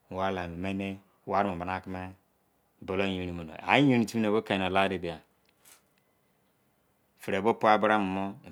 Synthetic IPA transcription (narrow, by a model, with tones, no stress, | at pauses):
wa˦la˨mi˨me˦ne˦ | wa˦ɾmo˨ba˨na˦˨ki˦me˦˨ | bo˨lo˦ji˨ɾi˨mo˨no̰˨a̰˨˦ji˦ɾi˨ti˦mi˦ne˨bo˦ka˨i˨n˨o˨la˦ɾe˨bi˨ja˨ | fi˨ɾe˨bo˦pu˦a˦bu˦ɾa˦mu˨mo˦˨